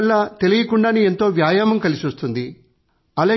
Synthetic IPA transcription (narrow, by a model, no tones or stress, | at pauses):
lːaːt̪e̞lijɐkuɳɖaːnie̞nt̪o̞ːʋjaːjaːmɐmkɐlisiost̪und̪i | ɐlɐ